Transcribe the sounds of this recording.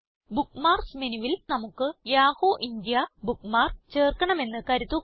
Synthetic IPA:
bukːmaːrsmenuʋilnɐmukːɨjaːhoːʔind̪jɐbukːmaːrt͡ɕe̞ːrkɐɳɐme̞nːɨkɐɾuðu

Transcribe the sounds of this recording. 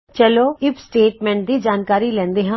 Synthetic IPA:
t͡ʃəloːɪpsʈeːʈmɛ̃ːɳʈ̚d̪iːd͡ʒaːnkaːɾiːlɛ̃ːnd̪eːɦã

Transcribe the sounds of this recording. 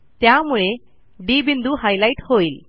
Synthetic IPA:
t̪jamuɭe | ɖibind̪uɦajlaiʈhoil

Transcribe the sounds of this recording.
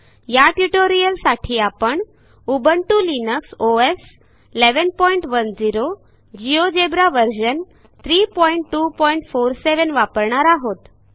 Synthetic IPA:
jaʈjuʈoɾijəlsaʈʰiːapəɳ | ubəɳʈulinəksoes | ileʋənpɔiɳʈʋənd͡ziɾo | d͡ʑiod͡ʑebɾaʋəɾɕən | t̪ʰɾiːpɔiɳʈːuːpɔiɳʈfoɾseʋənʋapəɾɳaɾaɦot̪

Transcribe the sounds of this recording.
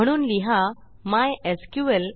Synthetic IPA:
əɽ̃uːnliɦa | majeskjuʋel

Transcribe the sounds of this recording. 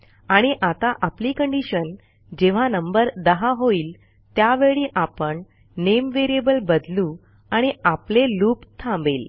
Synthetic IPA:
aɽ̃iʔat̪aʔapliːkəɳɖiɕən | d͡ʑeʋ̤anəmbəɾd̪əɦaɦoiːl | t̪jaʋeɭiːʔapəɳ | nemʋeɾiebəlbəd̪lũ | aɽ̃iʔapleluːpt̪ʰãmbeːl

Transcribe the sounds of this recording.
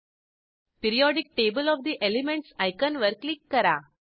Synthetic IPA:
pɪɾɪjɔːɖɪk̚ʈeːbəlɔʋd̪iʔɛlɪmɛ̃ɳʈsaɪkə̃nʋɐɾklikːɐɾa̰ː

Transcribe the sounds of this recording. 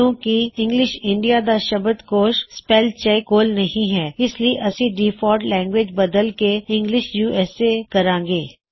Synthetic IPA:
õːkiɪ̃ŋɡlɪʃɪ̃ɳɖijad̪aʃɐbəd̪koːʃspɛːlt͡ʃekoːlnɐɦĩɦɛːɪslieʔɐsiɖiːfʰɔːɖlɛ̃ːŋɡweːd͡ʒbɐd̪əlkeɪ̃ŋɡlɪʃjuːʔɛːsekɐɾãːɡeː

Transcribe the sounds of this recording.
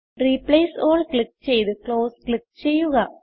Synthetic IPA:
ɾipleɪsoːlklɪk̚t͡ʃɛjðɯkloːsklɪk̚t͡ʃɛjːuɣaː

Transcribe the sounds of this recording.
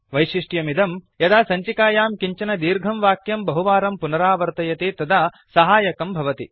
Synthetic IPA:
ʋɐjʃiʂʈjɐmid̪ɐmjɐd̪aːsɐɲt͡ʃikaːjaːmkiɲt͡ʃɐnɐd̪iːɾɡʱɐmʋaːkjɐmbɐɦuʋaːɾɐmpunɐɾaːʋɐɾt̪ɐjɐt̪eːt̪ɐd̪aː | sɐɦaːjɐkɐmbʱɐʋɐt̪ḭ

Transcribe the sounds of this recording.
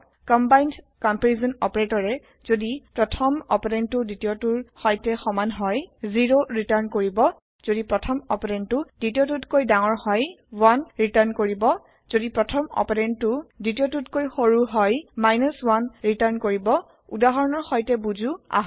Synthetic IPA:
kɔmbajnd | kɔmpɹizɔnɔpɔɹetɔɹɛ | z̥odipɹɔtʰɔmɔ̰pɔɹɛntʊditijotuɹxɔjtɛxɔmanɦɔjziɹoɹitaɹnkoɹibɔ | z̥odipɹɔtʰɔmɔpɔɹɛntʊd̥itiotutkojdaŋɔɹhɔjwanɹitaɹnkoɹibɔ | z̥odipɹɔtʰɔmɔ̰pɔɹɛntʊditiotutkojxoɹuɦɔjmajnɔswanɹitaɹnkoɹibɔ | udaɦɔɹɔnɔɹxɔjtɛbuzua̰ɦ

